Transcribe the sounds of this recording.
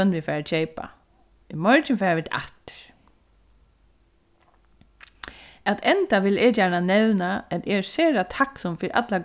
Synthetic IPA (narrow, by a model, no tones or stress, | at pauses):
œnʋɪfɛːɹat͡ʃeːjpa̰ | ɪmɔɹt͡ʃɪnfɛːɹaʋɪt̪ʰʔa̰t̪ɪɾ̥ | ɛt̪ʰɛnt̪aʋɪlɛːjæːɳanɛwnaɛt̪ɛseːɾat̪ʰaksɔmfiɾʔa̰t̪laɡ